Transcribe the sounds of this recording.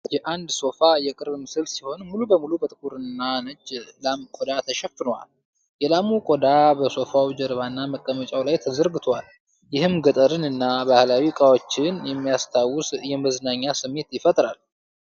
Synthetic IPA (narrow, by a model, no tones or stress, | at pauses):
jɛʔand̪so̞fajɛkʼɨɾmɨsɨlsiho̞nmulubəmulubət̪ʼɨkʼuɾɨnːanəd͡ʒlamkʼod̪at̪ʰəʃɛfɨnəwa̰l | jɛlamukʼo̞d̪abəso̞fawid͡ʒɛɾβanːaməkʼːəmət͡ʃʼawlajt̪ʰəzəɾɡɨt̪ʰwal | jɪhɨmɡət̪ʼəɾɨnɨnːabahlawikʼawot͡ʃːɪnjɛmːijast̪ʰawːʊsjɛməznaɲːasɨmːe̞t̪jɪfət̪ʼɾal